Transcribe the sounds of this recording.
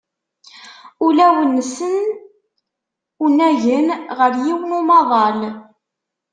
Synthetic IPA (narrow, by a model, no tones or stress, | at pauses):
ʊlæwənːəsən | unæʝənʁəɾjiwənumɑðˤɑl